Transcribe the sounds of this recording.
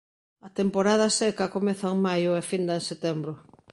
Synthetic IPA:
ɐt̪empoɾað̞ɐsɛkɐkomɛθɐeŋmajʊefind̪ɐẽŋset̪ɛmbɾʊ

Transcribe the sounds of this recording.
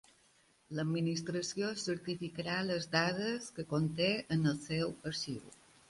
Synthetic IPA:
ləminist̪ɾəsiosəɾt̪ifikəɾaləzd̪að̞əskəkont̪eənəlˠsɛwəʃḭw

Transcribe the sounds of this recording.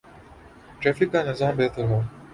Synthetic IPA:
ʈɾɛːfikːaːnɐzaːmbeːt̪ʰəɾɦoː

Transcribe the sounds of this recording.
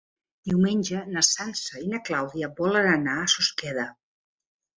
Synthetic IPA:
d̪iwmeɲʲd͡ʒənəsansəinəklawðiəbɔlənənaəsuskɛðə

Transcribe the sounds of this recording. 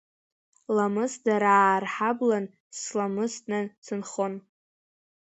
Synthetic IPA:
lamɨsdaɾarħablan | slamɨsnɨsɨnχon

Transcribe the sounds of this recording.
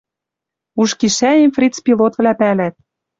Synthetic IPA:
uʃkiʃæimfrʲit͡spʲilˠot̪vlæpælæt̪̚

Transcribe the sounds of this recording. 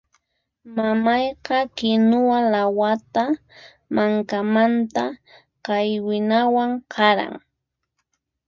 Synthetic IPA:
mamɑjqɑkɪnʊwalawat̪a | maŋkamant̪a | qɑjwɪnawaŋkɑɾa̰ŋ

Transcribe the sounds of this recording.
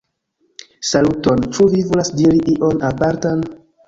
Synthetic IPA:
saluto̞nt͡ʃuvivolasdiɾiʔiʔo̞napaɾtan

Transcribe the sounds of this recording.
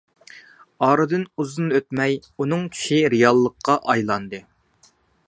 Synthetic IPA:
ɑːɾɨd̪ɨnuzɨnøt̪̚mɛjunɨŋkʲʰy̥ʃiɾɨjɑlˠːəqʰːɑʔɑjlˠɑnd̪ɨ

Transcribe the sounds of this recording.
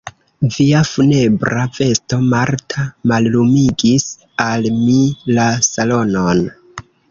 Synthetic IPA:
viafune̞bɾave̞sto̞maɾtʰamallumiɡis | almilasalo̞non

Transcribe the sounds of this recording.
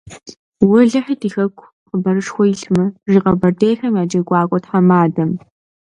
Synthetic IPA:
wʊɮɨħidiːxɐkʷʰʼ | qəbɐɾɨʂxʷɔjɪɬmɨriːqɐbɐrdʰejħɐmjaːd͡ʒɐɡʷʼɑːkʷʼɔtħamaːdɐm

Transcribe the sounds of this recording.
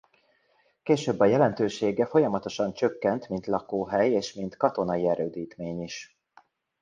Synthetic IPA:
keːʃøːbːɒjɛlɛnt̪øːʃeːɡɛfo̞jɒmɒt̪o̞ʃɒnt͡ʃø̞kːɛnt̪mint̪lɒkoːɦɛjeːʃmint̪kɒt̪o̞nɒiɛɾøːd̪iːt̪meːɲiʃ

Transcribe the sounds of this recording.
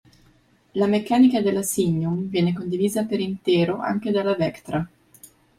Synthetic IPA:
lamekːaːnikad̪elasiɲːumvjɛːnekond̪iviːzapeɾint̪ɛːɾoʔa̰ŋk̟ed̪alavɛkt̪ɾa

